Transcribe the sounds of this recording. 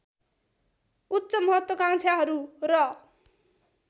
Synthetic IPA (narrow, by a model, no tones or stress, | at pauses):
ut̪ːsʌmʌɦʌt̪wʌkaŋt͡sʰaɦʌɾurʌ